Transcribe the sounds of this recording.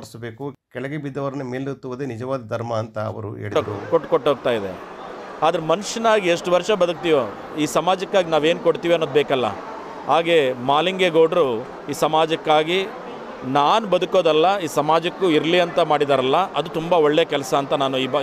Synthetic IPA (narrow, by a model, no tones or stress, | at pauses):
ɐɾsbeːkukɛɭɛɡebid̪ːɐʋɐɾɐnemeːlut̪ːuʋɐd̪eːnid͡ʒɐʋaːd̪ɐd̪ʱɐɾmɐːnt̪ɐɐ̰ʋɐ̰ɾṵḛːɭiɾkoʈːkoʈːɦoːɡ̚t̪aːjid̪e̞̰aːd̪ɐɾemɐnuʂɐnaːɡieʂʈuʋɐɾʂɐbɐd̪uk̚t̪ijoː | iːsɐmaːd͡ʒɐkːaːɡinaːʋe̞ːnukoɽt̪iːʋiɐnːoːd̪bɛːkɐlːɐ̰ | ɦaːɡe̞maːliŋɡeɡoːɖɐɾu | iːsɐmaːd͡ʒɐkːaːɡi | naːnubɐd̪uko̞ːd̪ɐlːɐiːsɐmaːd͡ʒɐkːuiɾliɐnt̪ɐmaːɽid̪aːɾɐlːɐʔɐd̪ut̪umbɐɔɭːeɐkɛlɐsɐːnt̪ɐnaːnuibɐ